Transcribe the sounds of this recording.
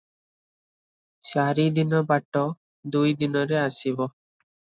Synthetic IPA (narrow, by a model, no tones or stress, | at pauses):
ʃaɾid̪inɔbaʈɔ | d̪ujd̪inɔɾeasibɔ